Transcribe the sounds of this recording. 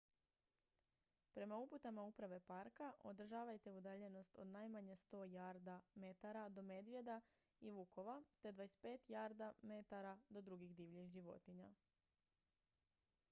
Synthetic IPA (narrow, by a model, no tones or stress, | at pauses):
pɾe̞mauput̪amaupɾaʋe̞paɾkaʔo̞d̪r̩ʒaːʋajt̪e̞ud̪aʎe̞no̞st̪o̞̰d̪najmaɲest̪o̞jaɾd̪ame̞t̪aɾad̪o̞me̞d̪ʋje̞d̪a | iʋuko̞ʋat̪e̞d̪ʋaːespe̞ːt̪jaːɾd̪ame̞t̪aɾad̪o̞d̪ɾuɡiɣd̪iʋʎixʒiʋo̞̰t̪iɲa